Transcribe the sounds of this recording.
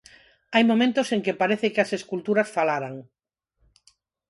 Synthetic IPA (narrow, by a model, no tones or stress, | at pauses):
ajmomẽnt̪oseŋkepaɾeθekeaseskult̪uɾasfalaɾaŋ